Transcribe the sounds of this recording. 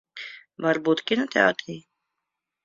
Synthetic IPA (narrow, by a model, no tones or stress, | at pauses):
mɐɾbuːt̪kinat̪ja̰ːɾt̪ʰiː